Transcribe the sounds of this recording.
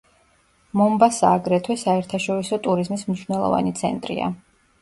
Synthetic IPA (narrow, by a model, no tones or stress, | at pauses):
mɔmbasa̰ːɡɾɛt̪ʰwɛsaɛɾt̪ʰaʃɔɾisɔt̪ʼuɾizmismniʃvnɛlˠɔ̰va̰nit̪sʰɛ̰nt̪ʼɾḭa̰